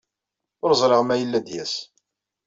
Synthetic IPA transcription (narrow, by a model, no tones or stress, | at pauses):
ʊɾzˤɾəʁmæjəlːæd̪jæs